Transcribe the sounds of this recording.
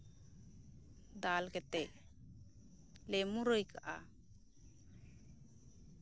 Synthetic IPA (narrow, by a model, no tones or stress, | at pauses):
d̪alkɛt̪ɛc̚ | lɛmuɾəjkaʔa̰